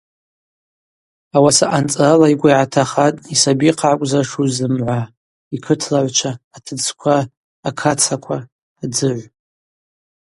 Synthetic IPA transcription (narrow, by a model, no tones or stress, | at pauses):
awasaʔant͡sʼralaiɡʷaiʕatʰaχatʼisabiqʰʕakʷʼzaʂuzɨmʕʷa | ikʰɨtʰlaʕʷt͡ʃʷʰaːtʰɨt͡sʰkʷʰaː | kʰat͡sʰakʷʰaː | d͡zɨʕʷ